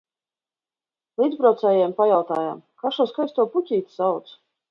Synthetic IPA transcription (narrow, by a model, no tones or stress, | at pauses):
lˠiːd̪pɾawt̪sɛːjɛmpajawt̪aːja̰mkaʃuɔskajst̪uɔpucʲiːt̪ʲsawt̪s